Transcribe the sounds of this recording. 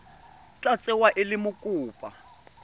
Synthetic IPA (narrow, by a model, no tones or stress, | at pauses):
t͡ɬʼat͡sʼɛwaʔɪlɪmʊkʼuːpʼa